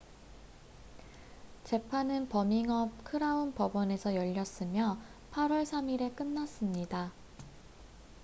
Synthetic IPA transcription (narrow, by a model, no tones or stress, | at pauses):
t͡ɕe̞pʰanɯnpʌmiŋʌp̚kʰɯɾaunpʌbʌne̞sʰʌjʌʎːʌs͈ɯmjʌpʰaɾwʌɭsʰamiɾe̞k͈ɯnːas͈ɯmɲida